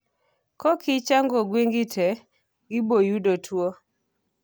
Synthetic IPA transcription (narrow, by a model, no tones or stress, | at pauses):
kɔkɪt͡ʃaŋɡɔɡweŋɡɪtʰɛ | ɡɪbojudotʰwo